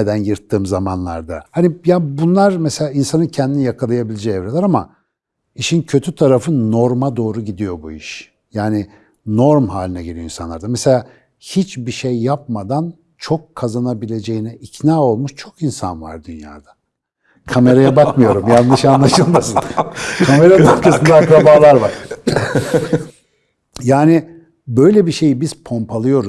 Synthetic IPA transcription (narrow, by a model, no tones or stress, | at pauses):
ed̪ænjɯɾt̪ʰːɯːmzamanlˠa̰ɾd̪ahanijabunlˠaɾmese̞lʲaːinsanɯncʰɛnd̪inijakʰalˠajabilʲed͡ʒɛɛvɾelʲæɾama̰ | iʃincʰø̞t̪ʰyt̪ʰaɾafɯnːo̞ɾmad̪o̞ːɾuɟid̪ijo̞buiʃ | jaːnɪ | no̞ɾmɦaːlʲinɛɟelʲijoinsanˠaɾd̪amɛse̞lʲaː | hit͡ʃbiʃejːap̚mad̪an | t͡ʃʰo̞kʰːazanabilʲe̞d͡ʒe̞jinɛicnaːo̞lˠmuʃt͡ʃʰo̞kinsa̰nva̰ɾd̪ynja̰ːd̪̥ḁ | kʰame̞ɾajabakmɯjo̞ɾumjanːɯʃanlˠaʃɯlˠmasɯnkʰame̞ɾanapkʰasɯnaakɾabalˠaɾvaɾ | jaːnɪ | bø̞jlʲɛbiʃe̞jibiz̥pʰo̞mpʰalˠɯjo̞ɾu